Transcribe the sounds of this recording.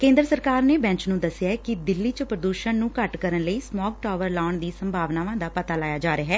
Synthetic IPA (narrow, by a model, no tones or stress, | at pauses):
kẽːnd̪ɾəsəɾkaːɾneːbɛ̃ːɲt͡ʃnũːd̪əsːɪjaːɛkɪd̪ɪlːiːt͡ʃəpɾəd̪uːʃənnũːkəʈkəɾənləiːsmɔːk̚ʈaːʋəɾlaːɳd̪iːsəmbʱaːʋnaːʋãːd̪aːpət̪aːlaːjaːd͡ʒaːɾeːɦɛː